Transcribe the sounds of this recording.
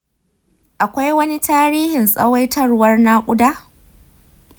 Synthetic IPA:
ʔa˨kʷa˦jwɐ˦ni˦taː˦ɾiː˦hɪ˨nsʼɐ̰˦wa˦jtɐ˦rwɐ˦rna˦kʷʼʊ˦daː˦

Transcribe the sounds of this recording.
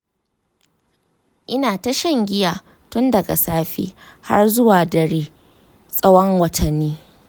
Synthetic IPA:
ʔɪ˦naː˨ta˦ʃɐ˦ŋɡʲɪ˦jaː˨ | tʊ˦ndɐ˨ɡa̰˨saː˦ɸḭː˦ha̰˦rzʊ˦waː˨dɐ˨ɽeː˦ | sʼɐ˦wɔ˦ŋwɐ˦tʰɐ˨nːiː˦

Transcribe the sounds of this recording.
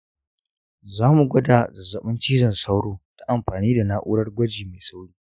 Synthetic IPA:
zaː˦mu˨ɡʷɐ˦da˨zɐ˨zɐ˨ɓʊ˦nt͡ʃiː˦zɐ˨nsa˦wɽoː˦ta˦ʔa˨mɸaː˨niː˦da˨naː˦ʔṵ˦ɽɐ˦rɡʷɐ˦d͡ʒiː˨me˨jsa˦wɽiː˦

